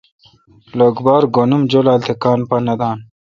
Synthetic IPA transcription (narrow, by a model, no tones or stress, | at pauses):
loɡbaːɾɡonumd͡ʑolaːlt̪ʰekaːnpɐnɐd̪aːn